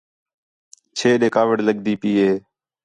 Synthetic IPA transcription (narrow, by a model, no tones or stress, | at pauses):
t͡ʃʰeːɗeːkaːʋəɖləɠd̪iːpiːɦeː